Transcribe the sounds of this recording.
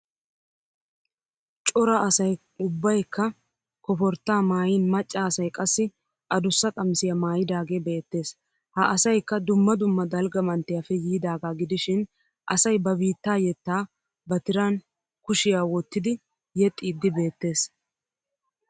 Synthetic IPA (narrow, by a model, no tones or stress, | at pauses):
t͡ʃʼɔɾɐʔɐsɐj | ʊbːɐjkːɐ | kɔfɔɾt̪ːaːmaːjiːnmɐt͡ʃʼːaːsɐjkʼɐsːɪ | ʔɐd̪ʊsːɐkʼɐmsɪjɐmaːjɪd̪aːɡe̞ːbe̞ːt̪ːe̞ːs | hɐʔɐsɐjkːɐd̪ʊmːɐd̪ʊmːɐd̪ɐlɡɐmɐnt̪ːɪjafɛjiːd̪aːɡaːɡɪd̪ɪʃɪn | ʔɐsɐjbɐbiːt̪ːaːjɛt̪ːaː | bɐt̪ɪɾɐn | kʊʃɪjaːwɔt̪ːɪd̪ɪ | jɛt̪ʼːiːd̪ːɪbe̞ːt̪ːe̞ːs